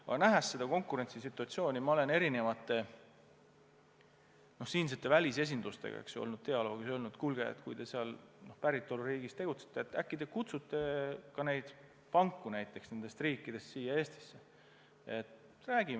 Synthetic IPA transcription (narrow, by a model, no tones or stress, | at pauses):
ɑ̰ɡ̥ɑnæɦæsːe̞d̪̥ɑko̞ŋkuɾe̞nsisit̪ːˑuɑt̪sio̞ːnʲimɑo̞le̞ne̞ɾine̞vɑt̪ːˑe̞ | no̞hsiːns̬et̪ːe̞vælʲise̞s̬ʲind̪̥ust̪e̞̰ɡ̥ɑ̰ḛksuo̰lnud̪̥̚t̪e̞ɑlo̞ːɡ̥iso̞lnud̪̥kulɡ̥e̞ḛt̪kṵjd̪̥e̞seɑlno̞hpæɾit̪ˑːo̞luɾiːɡist̪e̞ɡ̥ut̪se̥t̪ːˑeet̪ːækːid̪̥ekut̪sut̪ːe̞kɑne̞jd̪̥ | pɑŋkːunæjt̪ˑːe̞ksne̞nd̪e̞st̪riːkːˑid̪̥e̞st̪siːjɑe̞ːst̪i̥sːe | et̪ | ræːɡ̥im